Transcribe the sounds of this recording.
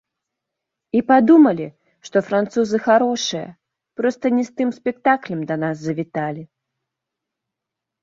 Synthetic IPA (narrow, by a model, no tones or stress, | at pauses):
ipad̪umɐlʲi | ʂt̪ɔfɾant̪suzɨxaɾɔʂɨjɐ̰ | pɾɔst̪ɐnʲɛst̪ɨmsʲpʲɛk̚t̪aklʲɛmd̪ɐnazːɐvʲit̪alʲi